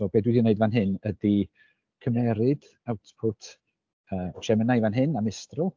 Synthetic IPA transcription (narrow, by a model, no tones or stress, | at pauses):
sɔbeːdwɪdineɨdvanɦɪnədi | kʰəmɛɾɨd̥ | awtʰpʰʊtʰ | əːʃɛmənajvanɦɪnamɪstrʊ